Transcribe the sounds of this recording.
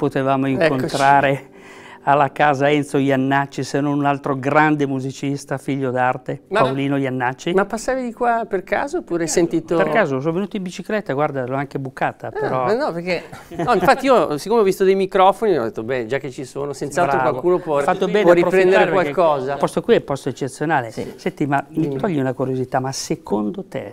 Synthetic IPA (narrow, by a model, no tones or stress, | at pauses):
pot̪evaːmoiŋkkont̪ɾaːɾe | alːakaːzaɛnt̪sojanːat͡ʃːisenːonunalt̪ɾoɡɾand̪emuzit͡ʃist̪afiʎːod̪art̪empawliːnojanːat͡ʃːimapːasːaːvid̪ikwaperka̰ːzoːpːuːɾasent̪iːt̪operkaːzos̬onvenuːt̪oimbit͡ʃiklɛt̪ːaɡward̪alɔaŋkebukːaːt̪apeɾɔnɔperk̟enɔiɱfat̪ːiiːosikːomeɔvist̪od̪ejmikɾɔfoniɔd̪et̪ːobɛd͡ʒakːet͡ʃːisoːnosent̪saltɾɾoakwalkuːnopwɔfat̪ːobɛːɔɾipɾopɾɛnd̪eɾaɾekpwalkɔːzapɔst̪okwiɛpɔst̪oet͡ʃːet̪sːjonaːlesɛnt̪imamit̪ɔʎːiunakuɾjozit̪amasekʰond̪ot̪ḛ